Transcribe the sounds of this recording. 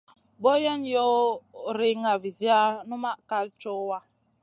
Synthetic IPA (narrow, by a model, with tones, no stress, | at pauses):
bɔ˦jɛ˦njɔ˦ɾi˨ŋa˨vi˨zi˦a˦nu˦ma˦ka˨lt͡ʃɔ˦wa˦